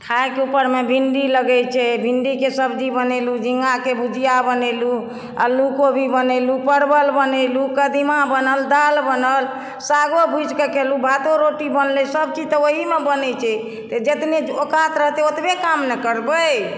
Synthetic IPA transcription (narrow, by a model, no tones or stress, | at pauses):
ʈʰaekeupəɾmebʱiɳɖiləɡɛt͡ʃʰɛbʱinɖikesəbd͡ʒibənelud͡ʒiŋɡakebud͡ʒʱijabənelu | a̰lukobʱibənelupəɽbəlbənelukəd̪imabənəld̪albənəl | saɡobʱud͡ʒkekelubʱat̪oɾoʈibənlisəbkit̪əoɦimebənɛt͡ʃʰɛ | t̪ɔd͡ʒet̪neokat̪ɾəɦt̪eot̪bekamnɛkəɾbə